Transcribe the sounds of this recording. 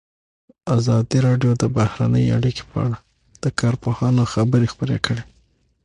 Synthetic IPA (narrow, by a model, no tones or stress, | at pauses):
azɑd̪iɾɑɖjod̪əbahɾa̰nəja̰ɽike̥pəa̰ɽa | d̪̥əkɑɾpohɑnoxabəɾexpəɾḛkəɽe